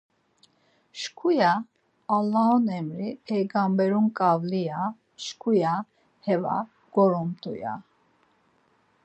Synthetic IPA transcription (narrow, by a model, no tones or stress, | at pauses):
ʃkʰujaː | lːaɦɔnɛmɾipʰɛjɡambɛɾunkʼavlia | ʃkʰuja | hɛva̰ | ɡ̥ɔɾɔmt̪ʼṵja̰